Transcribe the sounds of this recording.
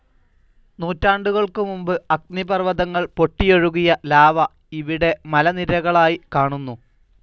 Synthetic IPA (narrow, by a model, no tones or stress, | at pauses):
nuːtːaːɳɖuɣɐɭkɨmumbɨɐk̚nibɐrʋɐðɐŋːɐɭpo̞ʈːijoɻuɣijɐlaːʋɐ | iʋiɽe̞mɐlɐniɾɐɣɐɭaːjikaːɳunːu